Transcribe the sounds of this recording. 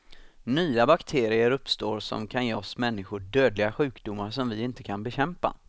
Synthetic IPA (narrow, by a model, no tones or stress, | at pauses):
nyːabakt̪ʰeːɾɪəɾɵpst̪oːɾsɔ̰mkʰanjeːɔsmɛnːɪɧʊɖøːd̪lɪɡaɧʉ̟ːkd̪ʊmːaɾʂɔmvɪɪnt̪əkʰanbɛɕɛmpa̰